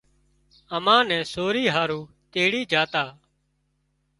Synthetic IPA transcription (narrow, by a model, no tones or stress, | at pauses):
əmãːnɛ̃ːsoːɾiːɦaːɾuː | t̪eːɽiːd͡ʒaːt̪aː